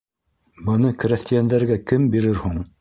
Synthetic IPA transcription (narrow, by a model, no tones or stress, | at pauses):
bɤ̆nɤkɘ̆ɾæθt̪ijænd̪æɾɡækɘmbiɾɘɾhuɴ